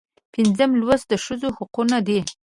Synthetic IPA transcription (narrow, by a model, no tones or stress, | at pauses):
pinzəmlwəsd̪əʃəzohʊqunad̪i